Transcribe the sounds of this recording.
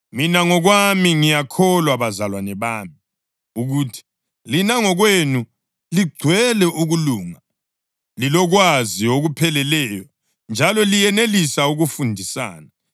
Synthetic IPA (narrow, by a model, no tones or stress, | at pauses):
minaŋɔɣwamiŋijakʰɔlwaβazalwanɛβaːmi | uɣutʰi̥ | linaŋɔɣwenu | liɡ͡ǀʱwɛlɛʔuɣuluːŋa | lilɔɣwazioɣupʰɛlɛlɛjɔ | nd͡ʒʱalɔlijɛnelisauɣufundʱisa̰ːna